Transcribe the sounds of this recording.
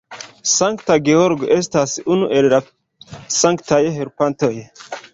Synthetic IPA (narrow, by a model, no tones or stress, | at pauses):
saŋkt̪aɡeoɾɡoʔes̬t̪asiʔunuʔeɾɾa | saŋkt̪ʰajeɦeɾpant̪əje